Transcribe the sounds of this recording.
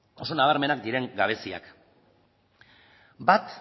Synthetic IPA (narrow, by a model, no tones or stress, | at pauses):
o̞so̞naβ̞aɾme̞nakd̪iɾe̞ŋɡaβ̞e̞sia̰k | bat̪